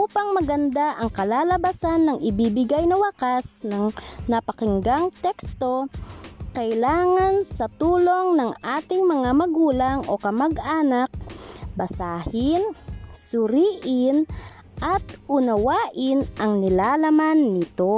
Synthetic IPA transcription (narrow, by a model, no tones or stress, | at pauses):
ʔʔuːpɐŋmɐɡɐnd̪aʔɐŋkɐlaːlɐbasanːɐŋɪbibɪɡajnɐwakasnɐŋnɐpɐkɪŋɡaŋt̪ɛkst̪o̞ | kɐɪlaːŋansɐt̪uːloŋnɐŋaːt̪ɪŋmɐŋamɐɡuːlaŋo̰kɐmaɡaːnak̚bɐsaːhɪnsʊɾiːʔɪn | ʔat̪ʊnɐwaːʔɪnʔɐŋnɪlaːlɐmanːɪt̪o